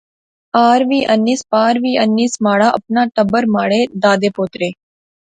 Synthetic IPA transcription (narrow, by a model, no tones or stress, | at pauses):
aːɾʋiːʔənːiːspaːɾʋiːənːiːsmaːɽaʔəp̚naːʈəbəɾmaːɽeːd̪aːd̪eːpoːt̪ɾeː